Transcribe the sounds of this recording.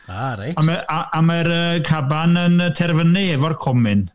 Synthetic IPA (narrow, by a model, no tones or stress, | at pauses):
aɾaamaaamaɾəkʰabanənətʰɛrvənɨɛvɔrkʰɔmɪn